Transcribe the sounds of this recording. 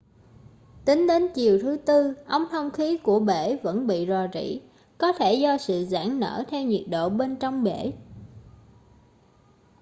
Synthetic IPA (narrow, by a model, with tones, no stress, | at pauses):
t̪ï˨˦ŋ̟ɗe˨˦nt͡ɕi˨˩əwt̪ʰɨ˨˦t̪ɨ˧ʔə˧wŋ͡mt̪ʰə˧wŋ͡mxi˨˦ku˧˩əɓe˧˩və̰˧˥nɓḭ˧˨zɔ˨˩zḭ˧˥˨ | kɔ˨˦t̪ʰe˧˩zɔ˧sɨ̰˧˨za̰ː˧˥ŋnə̰ː˧˥t̪ʰɛ˧wɲḭ˨˩ət̚ɗo̰˧˨ɓe˧nt͡ɕɔ˧wŋ͡mɓe˧˩